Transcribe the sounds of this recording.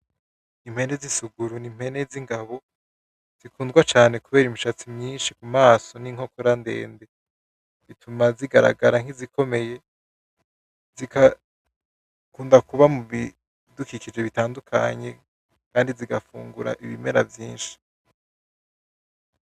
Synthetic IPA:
nim̥he̞nezisuɡuɾunim̥he̞ne̞ziŋɡaβo̞ | z̥ikuːndɡwat͡ʃaːne̞kuβe̞ːɾimuʃat͡simɲiːnʃikumaːso̞niŋ̥ho̞koɾande̞̰ːnde̞ | βitʰumaziɡaɾa̰ɡaɾaŋ̥izikʰo̞me̞je̞ | zika | kuːndakuβamuβi | dukikid͡ʒe̞βitaːndukʰa̰ɲe̞ | kaːndiziɡafṵːŋɡuɾa̰ʔiβime̞̰ɾa̰vjiːnʃi̥

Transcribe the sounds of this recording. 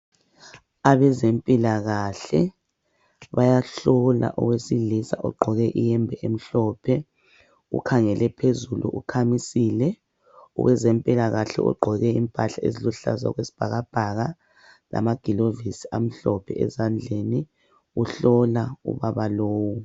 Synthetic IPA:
aβɛzempʼilaɣaɬɛ | βajaɬɔla̰ʔɔɣwesilisa̰ʔɔɡ͡ǃʱɔɣɛʔijɛmbʱɛʔem̩ɬɔpʰɛ | ṵkʰaŋɛlʔɛpʰezulṵʔukʰamisiːlɛ | ṵwɛzempʼilaɣaɬɛ̰ʔṵɡ͡ǃʱɔɣɛimpʼaɬaḛziluɬa̰za̰ɣwesi̥b̥ʱaɣab̥ʱaɣa | la̰maɡ̥ʱilovisi̥am̩ɬɔpʰɛɛ̰zand͡ɮʱeni | uɬɔlaṵβaβaloːwu

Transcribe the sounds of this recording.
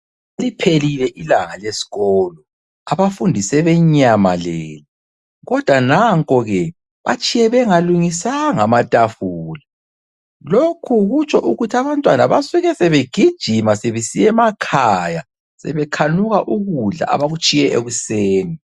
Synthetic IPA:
elipʰelilɛʔilaŋalesi̥ɣɔːlɔ | aβafundʱisɛβɛɲama̰lḛːli | ɣɔd̥ʱwanaŋkʼɔɣɛ | βa̰t͡ʃʼijɛβɛŋaluŋisaŋamatʼafuːla | lokʰuɣut͡ʃʼɔʔuɣutʰiaβantʼwanaβasuɣɛsɛβeɡ̥ʱid̥ʒ̥ʱimaseβisijɛmakʰaja | sɛ̰βɛkʰanuɣaʔuɣuɮa̰a̰βaɣut͡ʃʼijɛʔeɣuseːni

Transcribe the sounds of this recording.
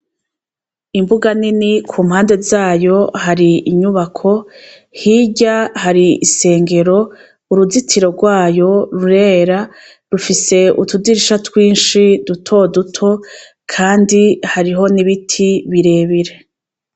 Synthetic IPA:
imbuɡaninikʰuːmhaːnde̞zaːjo̞haɾiʔiɲuβakʰo̞ | hiːɟahaɾiise̞ːŋɡe̞ɾo̞ | uɾuzitʰiɾo̞ɾɡwaːjo̞ɾuɾeːɾa | ɾufise̞ʔutudiɾiʃatwiːnʃidutʰo̞dutʰo̞ | kʰaːndihaɾiɦo̞niβitʰiβiɾe̞ːβiɾe̞

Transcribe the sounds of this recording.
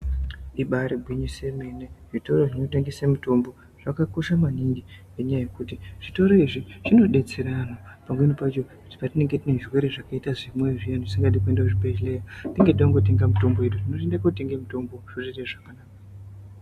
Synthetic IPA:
iɓaɾiɡʱwiɲise̞mene̞ʐito̞ɾo̞ʐino̞te̞ŋɡesemuto̞mbo̞ | ʐ̥akako̞ʃamaniŋɡi | eɲajaje̞kutiʐ̥ito̞ɾo̞iʐiʐino̞ɗe̞t͡se̞ɾanopamwe̞nipait͡ʃoku̥ti̥patine̞ŋɡetine̞ʐirwe̞ɾeʐakaitaʐimwe̞ʐijanoʐisiŋɡat̬ikue̞ndauʐipet͡ʃlejatiŋɡetiɗaŋɡo̞t̬e̞ŋɡamuto̞mboe̞ɗutino̞tendakote̞ŋɡemuto̞mbo̞ʐ̥oreteʐakanaːka

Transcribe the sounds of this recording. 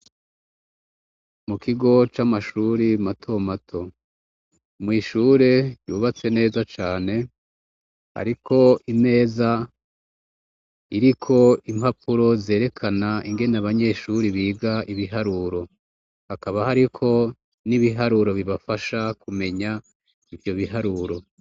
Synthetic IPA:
mukʰiɡo̞t͡ʃamaʃuːɾimatʰo̞matʰo̞ | mŋiːʃuːɾe̞juːβat͡se̞ne̞ːzat͡ʃaːne̞ | ha̰ɾikʰo̞ine̞ːza | iɾikʰo̞imhapuɾo̞ze̞ːɾe̞kʰanaiŋɡe̞naβaɲe̞ʃuɾiβiːɡaiβiɦaɾuɾo̞ | hakaβahaɾikʰo̞ | niβiɦaɾuɾo̞βiβafaʃakume̞ɲa | ivjo̞βiɦaɾuɾo̞

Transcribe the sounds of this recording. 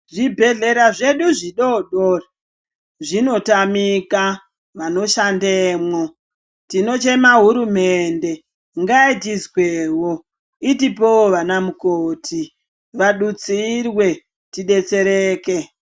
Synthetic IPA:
ʐibʱe̞ɮe̞ɾaʐe̞ɗuʐiɗoɗora | ʐino̞tamika | ʋano̞ʃandeːmwo | tino̞t͡ʃe̞maɦuɾumende̞ | ŋɡaitizweːwo | itipooʋanamukoːtʰi | ʋaɗut͡sirwe̞ | tiɗe̞t͡se̞ɾeːke

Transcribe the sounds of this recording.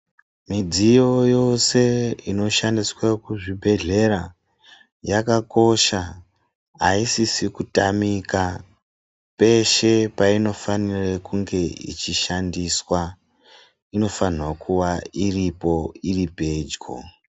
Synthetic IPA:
mid͡zijo̞jo̞se̞ino̞ʃandiswakuʐibʱe̞ɮe̞ɾa | jakako̞ʃa | a̰isisikutamika | pe̞ʃe̞paino̞fanirekuŋɡe̞ḭt͡ʃiʃandiswa | ino̞fanwakuwairipo̞iripe̞d͡ʒko̰

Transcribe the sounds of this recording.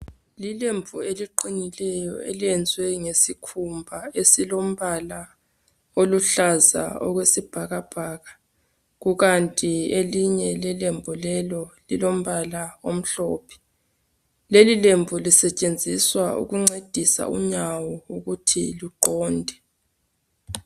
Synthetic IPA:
lilemvueliǃinilɛjɔ̰ḛliɛnd͡zʱwɛŋesikʰumbʱaesilom̩βala | oluɬaza̰ɔ̰ɣwesib̥ʱaɣab̥ʱaːɣa | ɣuɣantʼieliɲɛlɛlembʱulɛlɔlilom̩βalaom̩ɬɔːpʰɛ̥ | lelilemvʱulisɛt͡ʃʼend͡zʱiswaṵɣuŋ͡ǀed̥ʱisa̰ṵɲawɔuɣutʰḭluǃɔːndʱɛ

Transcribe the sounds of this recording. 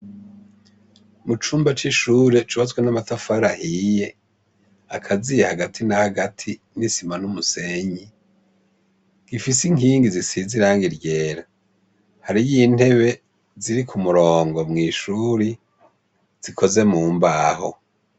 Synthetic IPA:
mut͡ʃuːmbat͡ʃiʃuːɾet͡ʃuβat͡swenamatafaɾahije̞ | akʰazijehaɡatʰinahaɡatʰi | nisimanumuse̞ɲi | ɡ̥ifisiŋiːŋɡizisiziɾaːŋɡiɾɟe̞ːɾa | haɾijiːn̥he̞βe̞ | ziɾikʰumuɾo̞ːŋɡo̞mŋiːʃuːɾi | z̥ikʰo̞ze̞muːmbaho̞̰

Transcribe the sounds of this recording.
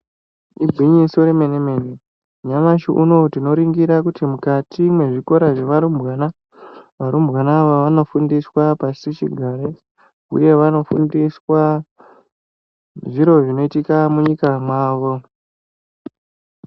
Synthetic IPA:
ibʱiɲisoɾemenemene | ɲamaʃḭʔuno̞tino̞ɾiŋɡiɾakutimukatimwe̞ʐiko̞ɾaʐeʋaɾumbwana | ʋaɾumbwanaʋaʋano̞fundiswapasit͡ʃḭɡʱaɾe | ṵje̞ʋano̞fundiswa | ʐiɾo̞ʐino̞itikamuɲikamwaːʋo̞

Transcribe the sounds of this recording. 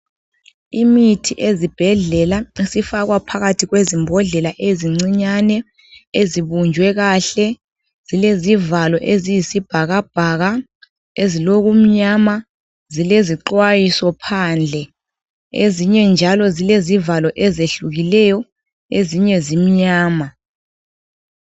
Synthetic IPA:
imitʰiʔezib̥ʱɛɮɛlaisifaɣwapʰaɣatʰiɣwezimbʱɔɮɛlaʔeziŋ͡ǀiɲanɛ | eziβund͡ʒʱwɛɣaːɬɛ | z̥ilezivalɔʔezijisib̥ʱaɣab̥ʱaɣa | eziloɣum̩ɲama | zileziǃwajisɔpʰaːnd͡ɮʱɛ | ḛziɲɛnd͡ʒʱalɔzilezivalɔʔɛzeɬuɣilɛjɔ | eziɲɛzim̩ɲaːma

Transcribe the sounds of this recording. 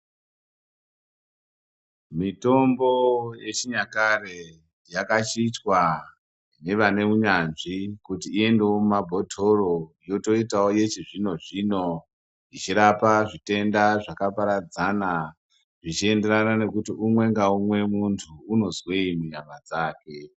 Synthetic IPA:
mito̞mbo̞je̞t͡ʃiɲakare̞ | jakat͡ʃit͡ʃwa | ne̞ʋane̞uɲanʐikutiːe̞nde̞woumabʱo̞tʰo̞ro̞jo̞to̞itaoje̞t͡ʃiʐino̞ʐino̞ | ʐit͡ʃiɾapaʐite̞ndaʐakapaɾad͡zana | ʐit͡ʃie̞nde̞ɾanane̞kutiumwe̞ŋɡaumwe̞muntʰuːno̞zweimuɲamad͡zaːke̞

